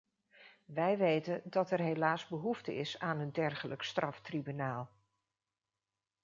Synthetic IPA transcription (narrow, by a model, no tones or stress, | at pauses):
ʋɛjʋejtəndɑtɛɹɦelaːzbəɦuftə̰ɪsaːnəndɛɹχələkstrʔɑftribynaːlˠ